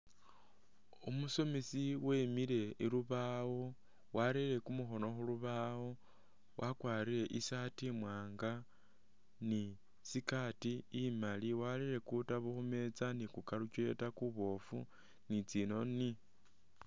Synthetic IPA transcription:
umuso̞misiwe̞ːmiɾe̞iluβaːwo̞ | walile̞kumuxo̞no̞xuluβawo̞ | wʔakwaːɾiɾe̞ʔisatimwaːŋɡa | ni | sikatiːmaliwaliɾe̞kutaβuxume̞t͡sanikukaɾucile̞̰takuβo̞fṵ | nit͡sino̞ni

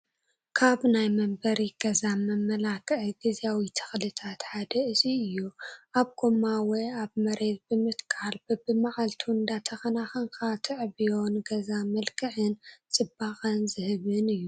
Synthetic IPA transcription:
kʰaβnajmɐmbɐɾiɡ̥ɐzamɐmːɐlakʰɨʕiɡizjawit̪ʰɨ̥xlɨt̪ʰat̪ħad̪ɐɨziɨjːuʔaβɡomawɔjaβmɐɾe̞t̪̚bɨmɨt̪kʰʼalbbɨmaʔʼalt̪ʰund̪at̪ʰɐxɐnaxɐŋkʰat̪ʰɨʕβijo̞nɡɐzamɐlkʰɨʕɨnt͡sʼɨbːaxʼɐnzɨhɨβɨnɨjːu

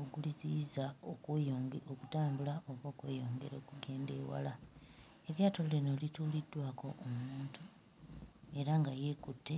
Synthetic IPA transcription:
oɡuliziːzaokwjoːŋɡokutaːmbulaʔo̞βwo̞ːkwḛːjo̞ːŋɡe̞ɾo̞ːkuɡe̞ːnde̞ːwa̰la | eljaːtolɾenolitulidːwaːko̞̰ʔomuːntu | e̞ɾaŋɡaje̞kutːe̞

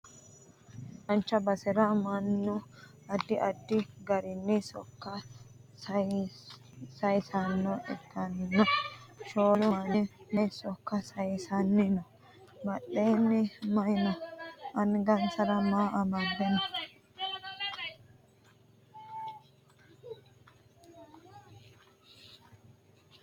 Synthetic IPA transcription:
ɐnt͡ʃːɐbɐsɛɾɐmɐnːʊ | ɐd̪ːɪʔɐd̪ːɪɡɐɾɪnːɛsɔ̰kːɐs | sɐjsɐnːɔʔɛ̰t̪ːɐnːɐʃoːlʊɐnɪnɛsɔkːɐsɐjsɐnːɪnɔ | bɐɗeːnːɪmɐjɪnɐʔɐnɡɐnsɐɾɐmaːʔɐbɐd̪ːɛnɐ

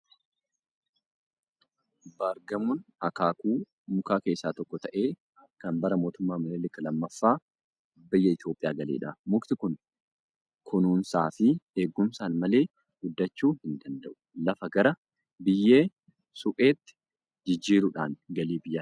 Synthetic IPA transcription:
baːɾɡɐmuːnɐkaːkuː | mʊkaːke̞ːsːaːt̪ɔkːɔt̪ɐʔe̞ː | kɐnbɐɾɐmo̞ːt̪ʊmːaːmɐleːlɪkːɐlɐmːɐfːaː | bɪjːɐɪt̪jo̞ːpʼːɪjaːɡɐlḛːᶑɐmʊkt̪ɪkʊn | kʰʊnuːnsaːfɪe̞ːɡːʊmsaːnmɐle̞ː | ɡʊd̪ːɐt͡ʃːuːhɪnd̪ɐnd̪ɐʔʊ̥lɐfɐɡɐɾɐ | bɪjːeː | sʊpʼe̞ːt̪ːɪ̥ | d͡ʒɪd͡ʒːiːɾʊᶑaːnɡɐliːbɪjːa

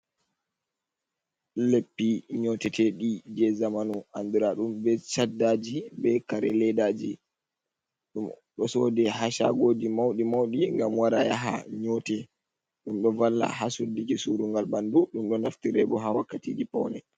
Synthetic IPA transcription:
lepːiɲɔtɛtʰɛɗid͡ʒɛzamanuʔand̪uɾaɗumbɛt͡ʃadːad͡ʒibɛkaɾɛ̰lɛdad͡ʒi | ɗum | ɗɔsɔdɛɦaʃa̰ɡoːd͡ʒimawɗimawɗiŋɡamwaɾajaɦa̰ɲɔtɛ | ɗumɗɔvalːa̰hasudikisuɾuŋɡalbanduɗumɗɔnaftiɾɛbɔɦawakːatiːd͡ʒipɔ̰wnɛ

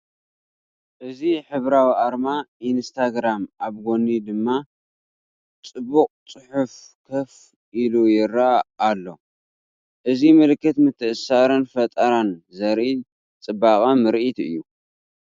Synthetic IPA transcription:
ʔɨziħɨβɾawiʔaɾmaʔinst̪ʰaɡɾamʔaβɡonid̪ɨmːa | t͡sʼɨbuqʼt͡sʼɨħuf | kʰɐf | ʔilujɪɾːaːlːo̞̰ | ʔɨzimɨlɨkːɨt̪mɨt̪ʰːɨʔɨsaɾɨnfɐt̪ʼɐɾanzɐɾi | t͡sʼɨbakʼamɨɾʔit̪ɨ̰jːu

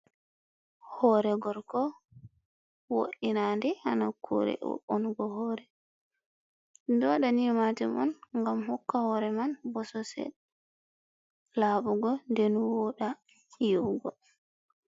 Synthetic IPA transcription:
hɔɾɛɡɔɾkɔ | wo̰ɗʔinandɛhanakʰṵɾɛ̰wɔ̰ʔɔnɡɔɦɔːɾɛ | dɔɗanimatimɔ̰nŋɡamhɔkːahɔɾɛmanbɔsɔsɛ̰ | laːɓuɡɔndɛnwɔɗa | jɔɡɔ

